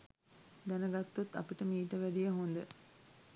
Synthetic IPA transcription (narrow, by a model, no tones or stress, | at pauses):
d̪ænəɡat̪ːut̪ːa̰piʈəmiːʈəʋæɖijəɦond̪ə